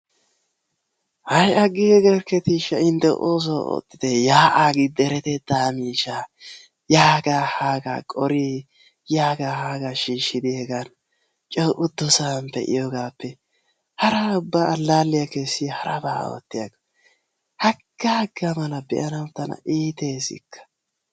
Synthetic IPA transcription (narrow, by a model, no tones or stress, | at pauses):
hɐjɐɡːɪɛɡɐɾkɛt̪iːʃɐɪnt̪ɛʔo̰ːs̬oo̰t̪ʼːɪd̪ɛjaːʔaːɡɪd̪ɛɾɛt̪ɛd̪aːmiːʃa | jaːɡahaːɡa̰kʼɔɾi | jaːɡahaːɡaʃiːʃɪd̪ɪɛɡɐn | t͡ʃʼɛwʔʊd̪ːɔsampɛ̰ʔɪ̰joɡaːpːɛ | hɐɾɐʊbːaːlːaːlːɪjakesːɪhɐɾɐba̰ːwɔ̰t̪ːɪjɐɡɐ | hɐɡ̥ːaːɡɐmɐnɐbɛ̰ʔɐnɐwt̪ːɐnɐ̰ʔiːt̪eːsɪ̰kʰːɐ̥